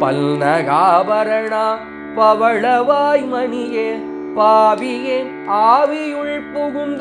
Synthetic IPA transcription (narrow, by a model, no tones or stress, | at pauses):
pɐ̰lnɐɣaːbɐɾɐɳaː | pɐʋɐɭɐʋaːjmɐnije | paːbije | aːʋijʊɭpuɣʊnd̪